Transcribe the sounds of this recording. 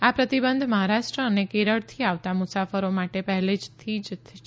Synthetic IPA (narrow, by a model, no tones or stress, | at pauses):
apɾət̪ibənd̪ʱməɦaɾaʃʈɾəːnekeɾəɭt̪ʰiaʋt̪amusafəɾomaʈepəɦɛled͡ʒt̪ʰid͡ʒt̪ʰi